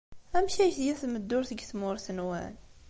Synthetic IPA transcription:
æmʃæʃðjæθməd̪ːʊɾθəɡθmʊɾθənwæ̰n

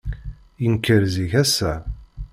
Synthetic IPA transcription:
jənkːəɾziçæsːæ

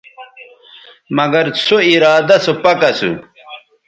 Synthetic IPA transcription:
mɐɡɐɾt͡sʰoiɾaːd̪ɐsopɐkɐsṵ

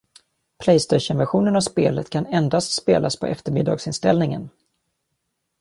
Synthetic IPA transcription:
pʰlɛjst̪ɛɕənvæɾɧuːnənavspeːlət̪kʰanɛnd̪ast̪speːlʔaspʰɔʔɛft̪əɾmɪd̪ːɑ̰ːɡsɪnst̪ɛlnɪŋə̰n

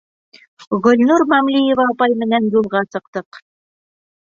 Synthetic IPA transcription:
ʁɵ̆lnuɾmæmlʲijĕvɑːpɑjmɘ̆nænjulˠʁɑsɤ̆q̚t̪ɤq

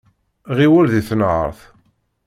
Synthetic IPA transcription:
ʁiwælðiθnʕə̰ɾˤθ

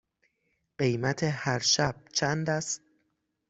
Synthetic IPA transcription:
ɢ̥e̞jmæt̪ʰehæɾʃæb̥̚t͡ʃʰænd̪æst̪̚

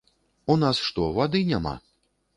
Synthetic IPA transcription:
unasʂt̪ɔvad̪ɨnʲama̰

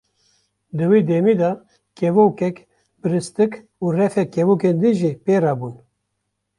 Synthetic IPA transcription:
d̪ɨwiːd̪eːmiːd̪ɑ | kɛvukɛk | bɨɾɨst̪ɨk | uːrɛfɛkɛvuːkend̪ɨʒipeːɾɑːbun

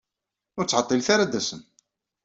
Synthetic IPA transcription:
ʊɾt͡sːʕɑt̪ˤːilθaɾad̪æsən

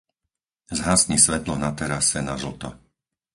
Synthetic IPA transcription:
zɦaːsɲisʋɛt̪lɔnat̪ɛɾasɛnazl̩t̪ɔ̰

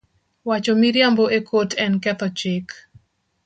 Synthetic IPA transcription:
wat͡ʃomiɾjamboʔekʰotʰɛnkɛt̪ɔt͡ʃɪk

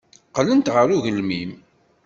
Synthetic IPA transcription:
qlənt̪ʁəɾuʝəlmim

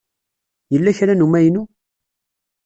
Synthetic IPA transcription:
jəlːæçɾænumæjnu

